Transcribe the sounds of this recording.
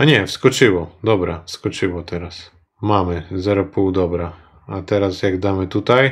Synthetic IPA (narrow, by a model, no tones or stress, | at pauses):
anʲɛwskɔt͡ʃɪwɔd̪ɔbɾafskɔt͡ʃɪʋɔt̪ɛɾas | mamɛzɛɾɔpuwd̪ɔbɾa | at̪ɛɾasjaɡd̪amɛt̪ut̪aj